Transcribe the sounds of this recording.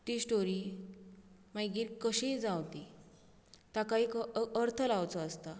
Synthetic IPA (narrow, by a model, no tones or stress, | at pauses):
t̪isʈoɾi | majɡiːlkəɕid͡zawt̪i | t̪akaiːkəɾt̪ʰəlawt͡sɔəst̪a